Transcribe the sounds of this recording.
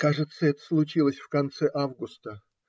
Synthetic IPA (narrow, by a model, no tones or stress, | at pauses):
kaʐɨt̪səɛt̪ə̥slˠʊt͡ɕilˠəsʲfkɐnt̪sɛʔavɡʊst̪ə